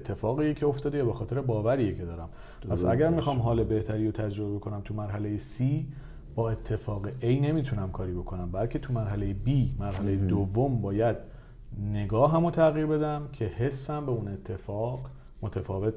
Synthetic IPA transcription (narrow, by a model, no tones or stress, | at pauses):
et̪ʰːe̞fɒːɣijecʰeoft̪ɒːd̪ejæbexɒːt̪ʰe̞ɾebɒːvæɾiːjecʰe̞d̪ɒːɾæm | pʰæsæ̰ɟæɾmixɒːmɦɒːle̞be̞ht̪ʰæɾiːjot̪ʰæd͡ʒɾobebe̞kʰo̞næmt̪ʰumæɾɦæle̞jesiː | bɒːe̞t̪ʰːe̞fɒːɣeʔejne̞miːt̪ʰunæmkʰɒːɾiːbo̞kʰo̞næmbælcʰe̞t̪ʰumæɾɦælejebiːmæɾɦælejed̪ovːombɒːjæd̪ | ne̞ɡɒːɦæmot̪ʰæɣiːɾbe̞d̪æmcʰe̞he̞sːæmbeune̞t̪ʰːe̞fɒːɢ | mo̞t̪ʰæfɒːve̞t̪